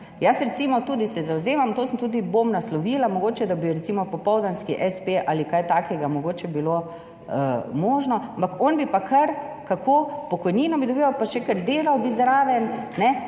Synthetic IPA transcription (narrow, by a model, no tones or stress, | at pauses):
jasɾɛt̪simɔt̪uːd̪isɛzawzeːmamt̪oːsəmt̪uːd̪ibomnaslɔʋiːlamɔɡoːt͡ʃɛd̪abiɾɛt̪simɔpɔpɔwd̪anskiʔɛspeʔaːlikaːjt̪aːkʰɛɡamɔɡoːt͡ʃɛbilo | əmɔːʒnɔampakɔnbipakʰəɾ | kakʰoːpɔkɔjniːnɔbid̪ɔbiʋapaʃɛkəɾd̪eːlawbizɾaːʋɛnnɛ